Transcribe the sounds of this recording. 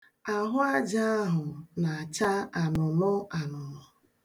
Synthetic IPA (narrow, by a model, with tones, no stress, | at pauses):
a˨ɦʊ˦a˦d͡ʒa˦a˦ɦʊ˨na˨a˨t͡ʃa˦a˨nʊ˨mʊ˦a˨nʊ˨mʊ˨